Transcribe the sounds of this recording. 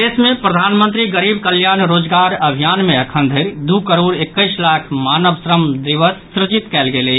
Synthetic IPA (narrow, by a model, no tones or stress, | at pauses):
esmẽpɾəd̪ʱaːnmə̃nt̪ɾiɡəɾiːb̚kəljaːnɾoːd͡ʒɡaːɾəbʱijaːnmẽɐkʰənd̪ʱeɾd̪ukəɾoːɾekːəɪslaːkʰmaːnəʋsɾəmd̪iʋəsːɾɪd͡ʒit̪kɛːlɡele